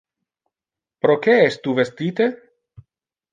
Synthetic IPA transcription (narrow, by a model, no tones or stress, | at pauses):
pɾokeɛst̪uvest̪it̪e